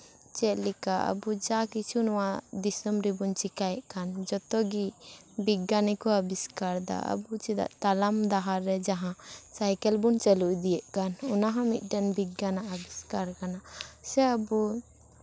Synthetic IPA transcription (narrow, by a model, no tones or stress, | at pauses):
t͡ʃɛʔlikaə̰bud͡ʒakit͡ʃʰunɔwad̪isəmɾibunt͡ʃikajɛʔkand͡ʒɔt̪ɔɡi | biɡːanikɔəbiskaɾd̪a̰ʔə̰but͡ʃid̪a̰ʔt̪alamd̪aɦaɾːɛd͡ʒaɦãsajkɛlbunt͡ʃəluʔd̪ijɛʔkanɔnaɦãmit̪̚ˀɖɛnbiɡːanaʔəbiskaɾkanasɛəbu